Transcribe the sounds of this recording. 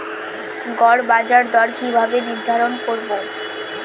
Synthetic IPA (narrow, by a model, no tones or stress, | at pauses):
ɡɔɾbad͡ʑaɾd̪ɔɾkibʱabenid̪ʱːaɾonkoɾbo